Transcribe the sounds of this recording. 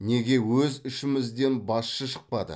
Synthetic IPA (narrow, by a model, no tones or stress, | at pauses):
ne̞ɡʲe̞wɵzʏʃɪmɪzd̪e̞nbɑsʃəʃə̥q̚pɑd̪ə̰